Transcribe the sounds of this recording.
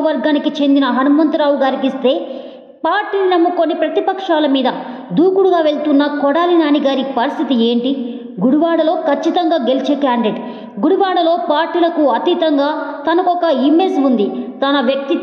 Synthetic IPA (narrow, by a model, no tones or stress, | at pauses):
ɐɾɡaːnikit͡ʃe̞nd̪inɐɦɐnumɐnt̪uɾaːwuɡaːɾikist̪e̞ː | paːɾʈiːninɐmːukonːipɾɐt̪ipɐkʂaːlɐmiːd̪ɐ | d̪uːkuɽuɡaːʋe̞ɭt̪unːɐkɔɽaːlinaːniɡaːɾipɐɾist̪ʰit̪ie̞ːɳʈi | ɡuɽuʋaːɽɐlo̞ːkʰɐt͡ʃːit̪ɐŋɡaːɡe̞lit͡ʃe̞ːkaːɳɖeʈ | ɡuɽuʋaːɽɐlo̞ːpaːɾʈːiːlɐkuɐt̪it̪ɐŋɡaːt̪ɐnɐkɔkɐimːeːd͡ʒund̪it̪ɐnɐʋjɐk̚t̪i